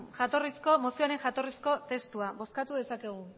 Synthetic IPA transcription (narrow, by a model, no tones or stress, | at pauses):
xat̪o̞risko̞mo̞sioaɾe̞ŋʝat̪o̞risko̞t̪e̞st̪uaβo̞skat̪uðe̞sake̞ɣ̞u